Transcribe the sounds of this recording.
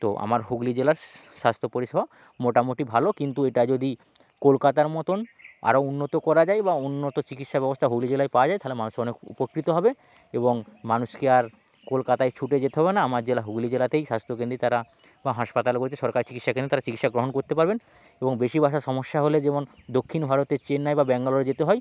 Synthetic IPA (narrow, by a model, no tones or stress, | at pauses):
t̪oʔa̰maɾɦuɡlid͡ʑelaɾ | ʃast̪ʰopoɾiʃebʱa | moʈamoʈibʱalokint̪ueʈad͡ʑod̪i | kolkat̪aɾmɔt̪ona̰ɾounːot̪okɔɾad͡ʑajbaunːot̪ot͡ɕikit̪ʃabɛbost̪ʰaɦuɡlid͡ʑelajpawad͡ʑaj̪aɦalemanuʃɔnekṵpokːɾit̪oɦɔbe | eboŋmanuʃkeaɾ | kolkat̪ajt͡ɕʰuʈed͡ʑet̪eɦɔbenaamaɾd͡ʑelaɦuɡlid͡ʑelat̪ejʃast̪ʰokẽnd̪ɾit̪aɾa | baɦaʃpat̪alekoɾet͡ɕʰeʃɔɾkaɾet͡ɕikit̪ʃakẽnet̪aɾat͡ɕikit̪ʃaɡɾoɦonkoɾt̪epaɾben | eboŋbeʃibʱaʃaʃɔmoʃːaɦoled͡ʑemond̪okʰːinbʱaɾot̪eɾt͡ɕenːajbabɛŋɡaloɾed͡ʑet̪eɦɔj